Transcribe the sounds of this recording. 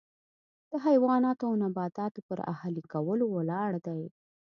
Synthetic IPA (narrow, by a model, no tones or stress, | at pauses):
d̪̥əɦajwɑnɑt̪oawnabɑt̪ɑt̪opəɾa̰halikawəlowəlɑɽd̪aj